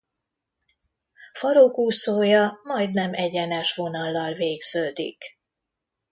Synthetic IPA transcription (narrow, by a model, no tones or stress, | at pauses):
fɒɾokuːsoːjɒmɒjd̪nɛmɛɟɛnɛʃʋo̞nɒlːɒlveːɡz̥øːd̪ḭk